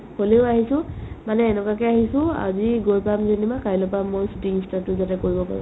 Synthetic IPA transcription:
holeʊaɦisʊ̃manɛːnɛkakɛaɦisʊ̃a̰ziɡojpamzenimakajlɔpamːojsutiinstatʊzatɛkoɹibɔpa̰ɹṵ̃

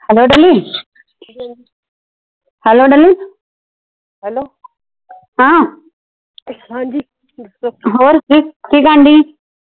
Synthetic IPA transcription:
hɛloːɖəliː | hɛloːɖəliː | ɦɛlo | ɦãː | ɦãd͡ʒi | ɦoːɾkiːkiːkãːɳɖiː

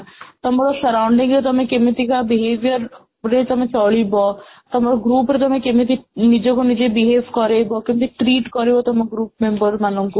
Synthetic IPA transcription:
t̪ɔmɔɽɔsəɾawɳɖĩŋɡɾet̪ɔmẽkemet̪ikabiɦeʋjəɾ | ɾet̪ɔmẽt͡sɔɭibɔ | t̪ɔmɔɔɡɾuːpɾet̪ɔmẽkemit̪̬inid͡ʒɔkonid͡ʑebiɦeʋkɔɾebɔkemit̪iʈɾiːʈkɔɾebɔt̪ɔmeɡɾuːp̚membəɾmanuŋku

